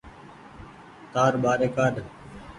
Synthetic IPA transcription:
t̪aːɾbaːɾeːkaːɗ

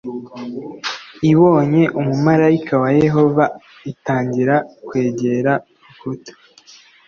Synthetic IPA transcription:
iβo̞ːɲe̞ʔumumaɾaikʰawaje̞ɦo̞va | itaːɲɟiɾakwe̞ːɟe̞ɾa | ukuto̥

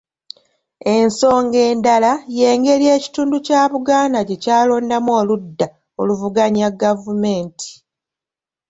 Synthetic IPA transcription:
e̞nso̞ːŋɡe̞ːndalaje̞ːŋɡe̞lje̞ːci̥tuːnducaːβuɡaːnaɟe̞caːlo̞ːndamoːludːa | oluvuɡaɲaɡavume̞ːntʰi̥

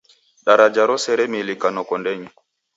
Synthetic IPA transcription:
ɗaɾad͡ʒaɾɔsɛɾɛmilikanɔkɔndɛɲi

